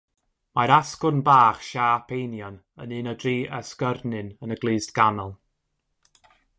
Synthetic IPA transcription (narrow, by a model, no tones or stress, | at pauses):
maɾaskʊnbaːχʃaːpʰejnjɔn | ənɨnədriːʔɛskərnɨnənəɡlˠɨːzdɡ̥anɔlˠ